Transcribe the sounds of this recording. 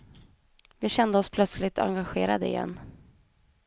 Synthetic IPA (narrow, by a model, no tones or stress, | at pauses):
vɪɕɛnd̪əɔspʰlœt̪slɪt̪ʰa̰ŋɡaɧeːɾad̪əɪ̰jɛ̰nː